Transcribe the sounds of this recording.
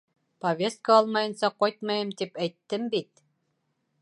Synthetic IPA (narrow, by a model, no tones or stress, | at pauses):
pɐvʲe̞st̪̚kaɑlˠmɑjɤ̆nsɑqɑjt̪̚mɑjɤmt̪ipæjt̪ːɘmbit̪̚